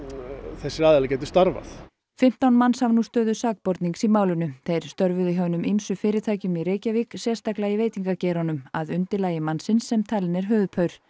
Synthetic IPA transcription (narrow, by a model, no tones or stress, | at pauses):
θɛsːɪɾaːðɛlacɛːt̪ʏ̥st̪aɾva̰θ | fɪm̥t̪awnmanːshavnust̪œːðʏsaːk̚pɔɾt̪niŋksimaːwlʏnʏθejɾ̥st̪œɾvʏðɪɦœːwnʏmimsʏfɪːɾɪt̪ʰaːjcʏmiɾeːjcaviksjɛst̪aklaɪveːjt̪iŋkacɛːɾɔnʏmaðʏnt̪ɪlaːjɪmansɪnsːɛmt̪ʰalɪnɛɾ̥ɦœːðpʰœɥɾ̥